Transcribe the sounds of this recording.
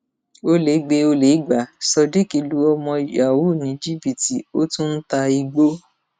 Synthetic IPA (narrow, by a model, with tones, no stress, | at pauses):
o˧le˨˦ɡ͡be˧o˧le˨˦ɡ͡ba˨˦˨sɔ˧di˦ki˧lu˦ɔ˧mɔ̃˧˨ja˨wu˦˨nĩ˨˦d͡ʒi˦bi˨ti˨o˦tũ˦n̩˦ta˧i˧ɡ͡bo˦